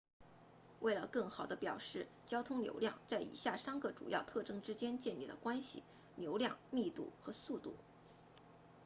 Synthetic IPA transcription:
we˥˩ɪlə˩kɤ˥˩ŋxɑ˨˩ʊd̪ə˦pjɑ˨˩ʊʂɻ̩˥˩ | t͡ɕjɑ˥ʊt̪ʰʊ˥ŋljo̰˧˥ʊljɑ̰˥˧ŋt͡sa˥˩ɪḭ˨˩ɕja˥˩sa˥nɡə˧ʈ͡ʂṵ˨˩jɑ˥˧ʊt̪ʰɤ˥˩ʈ͡ʂɤ˥ŋʈ͡ʂɻ̩˥t͡ɕjɛ˥nt͡ɕjɛ˥˧nli˥˩d̪ə̰˩kwa˥nɕḭ˨˩ | ljo˧˥ʊljɑ˥˧ŋmi˥˧t̪ṵ˥˩xɤ˧˥su˥˧t̪ṵ˥˩

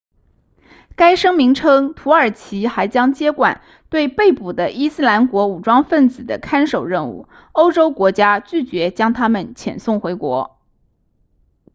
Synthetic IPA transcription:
ka˥ɪʂɤ˥ŋmi˧˥ŋʈ͡ʂʰɤ˥ŋt̪ʰu˧˥ə˞˨˩t͡ɕʰi˧˥xa˧˥ɪt͡ɕjɑ˥ŋt͡ɕjɛ˥kwa˨˩˦n | t̪we˥˧ɪpe˥˩ɪpu˨˩d̪ə˦ʔi˥sɹ̩˥la˧˥nkwɔ˧˥u˨˩ʈ͡ʂwɑ˥ŋfə˥˩nt͡sɹ̩˨˩d̪ə̰˦kʰa˥nʂo˨˩ʊɻə˥˧nṵ˥˩ | o˥ʊʈ͡ʂo˥ʊkwɔ˧˥t͡ɕja˥t͡ɕy˥˩t͡ɕɥɛ˧˥t͡ɕjɑ˥ŋt̪ʰa˥mə˨nt͡ɕʰjɛ̰˨˩nsʊ˥˩ŋxwe˧˥ɪkwɔ̰˧˥

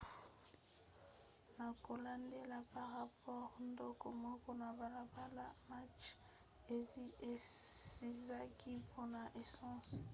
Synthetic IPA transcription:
na˨ko˨la˨nde˦la˦pa˨ʁa˦pɔ˦ʁndɔ˦kɔ˦mɔ˦kɔ˦na˨ba˨la˨ba˦la˦ma˦t͡ʃ | e˨ze˨si˨za˦ki˦pʰo˦na˨ʔe˨sɑ̃˦s

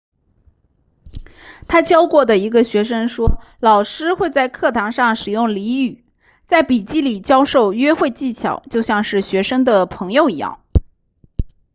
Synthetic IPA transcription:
t̪ʰa˥t͡ɕjɑ˥ʊkwɔ˥˩d̪ə˩i˧˥ɡə˧ɕɥɛ˧˥ʂ̬ɤ˥ŋʂwɔ˥ | lɑ˨˩ʊʂɻ̩˥xwe˥˧ɪt͡sa˥˧ɪkʰɤ˥˩t̪ʰɑ˧˥ŋʂɑ˥˩ŋʂɻ̩˨˩jʊ˥˩ŋli˧˥y˨˩˦ | t͡sa˥˩ɪpi˨˩t͡ɕi˥li˨˩t͡ɕjɑ˥ʊʂo˥˩ʊɥɛ˥xwe˥˧ɪt͡ɕi˥˩t͡ɕʰjɑ̰˨˩˦ʊt͡ɕjo˥˧ʊɕjɑ˥˧ŋʂɻ̩˥˩ɕɥɛ˧˥ʂɤ˥ŋd̪ə˨pʰɤ˧˥ŋjo˨˧ʊi˧˥jɑ̰˥˩ŋ

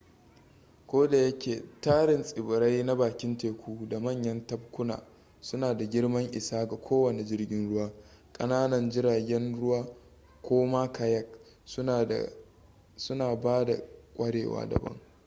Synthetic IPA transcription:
kʷoː˦da˨jɐ˦kʲeː˨taː˦ɽɪ˨nsʼɪ˨bʊ˨ɾa˦jna˦baː˨kʲɪ˦nteː˨kʷʰuː˦da˨mɐ˦˨ɲjɐ˦ntɐ˦b̚kʷʊ˦na̰ː˨ | sʊ˦naː˨da˨ɡʲɪ˦ɽmɐ˦ŋʔɪ˨saː˦ɡa˨kʷʰoː˦wɐ˨ne˨d͡ʒɪ˦rɡʲɪ˦nɽʊ˦waː˦ | kʼɐ˦naː˦nɐ˨nd͡ʒɪ˦ɾaː˨ɡʲɛ˦nɽʊ˦waː˦ | kʷoː˦maː˦ka˨jɐ˦k | sʊ˦naː˨baː˦da̰˨kʷʼɐ˦ɽḛː˨wa̰ː˦dɐ̰˨bɐ̰˦ŋ

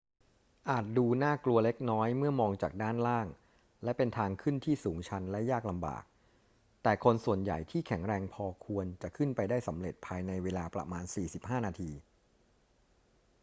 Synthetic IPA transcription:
ʔaː˨˩t̪̚duː˧naː˥˩klu˧ɐle˦˥k̚nɔː˦˥jmɯ˥˩ɐmɔː˧ŋt͡ɕaː˨˩k̚daː˥˩nlaː˥˩ŋ | lɛ˦˥pe˧nt̪ʰaː˧ŋkʰɯ˥˩nt̪ʰiː˥˩suː˩˦ŋt͡ɕʰa˦˥nlɛ˦˥jaː˥˩k̚la˧mba̰ː˨˩k̚ | t̪ɛː˨˩kʰo˧nsu˨˩ənja̰˨˩jt̪ʰiː˥˩kʰɛ˩˦ŋɾɛː˧ŋpʰɔː˧kʰu˧ənt͡ɕa˨˩ʔkʰɯ˥˩npa˧jdaː˥˩jsa˩˦mɾe˨˩t̪̚pʰaː˧jna˧jweː˧laː˧pɾa̰˧maː˧nsiː˨˩si˨˩p̚haː˥˩naː˧t̪ʰiː˧

